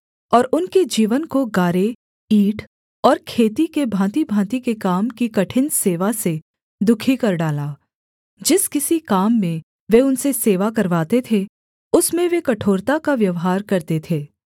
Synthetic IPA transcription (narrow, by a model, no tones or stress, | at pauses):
ɔːɾʊnked͡ʒiːʋənkoɡaːɾe | iːʈʰ | ɔːɾkʰeːt̪ikebʱãːt̪ibʱãːt̪ikekaːmkikɐʈʰɪnseːʋase | d̪ʊkʰikɐɾɖaːlaː | d͡ʒɪskɪsikaːmːẽ | ʋeʊnseseːʋakɐɾʋaːt̪et̪ʰe | ʊsmẽʋekɐʈʰoːɾt̪akaʋjɐʋɦaːɾkɐɾt̪et̪ʰeː